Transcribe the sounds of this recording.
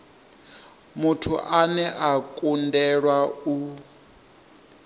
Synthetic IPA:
mutʰuʔanɛʔakʼundɛɺwau

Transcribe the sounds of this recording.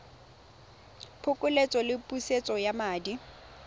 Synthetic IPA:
pʰʊkʼʊlet͡sʼɔlɪpʼuset͡sʼɔjamaːdi

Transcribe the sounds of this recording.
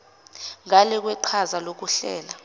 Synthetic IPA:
ŋalɛk̬wɛǃʰazalok̬uɬɛːla

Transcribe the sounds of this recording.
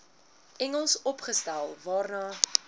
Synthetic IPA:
ɛŋəlˠsɔpχəstælˠvɑːrnɑː

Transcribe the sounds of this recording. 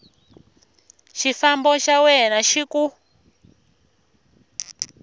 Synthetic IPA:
ʃifambɔʃawɛnaʃiku

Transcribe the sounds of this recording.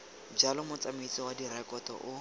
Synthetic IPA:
d͡ʒalɔmʊt͡samit͡sʼɔwadirɛkʼɔtɔ̰ʔʊ

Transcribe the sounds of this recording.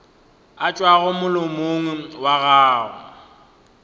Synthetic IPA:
at͡ʃʼwaɣʊmʊlʊmoŋ̩waɣaːɣʊ̰

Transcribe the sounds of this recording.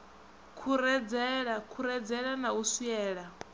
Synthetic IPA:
kʰuɾɛd͡zɛɺakʰuɾɛd͡zɛɺanausiɛːɺa

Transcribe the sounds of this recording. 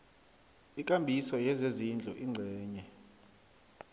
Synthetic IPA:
ikʼambʱisɔjɛzezind͡ɮʱuʔiŋ͡ǀʱɛːɲɛ

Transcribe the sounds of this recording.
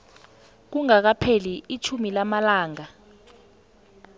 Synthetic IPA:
k̬uŋak̬apʰeliit͡ʃʰumilamalaːŋa

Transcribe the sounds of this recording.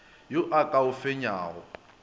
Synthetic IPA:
jʊʔakʼaʊfeɲaːɣɔ

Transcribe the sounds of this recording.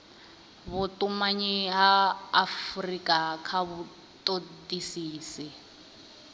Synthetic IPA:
βʊtʼumaɲiɦaːfrikʼakʰaβʊ | tʼotʼisiːsi

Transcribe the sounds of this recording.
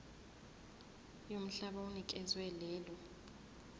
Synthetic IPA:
jom̩ɬaɓaunikʼɛzwɛlɛːlɔ

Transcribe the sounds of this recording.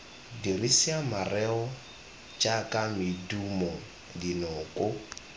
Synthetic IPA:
dirisiamarɛɔ | t͡ʃʼakʼamɪdumɔ | dinɔːkʼʊ

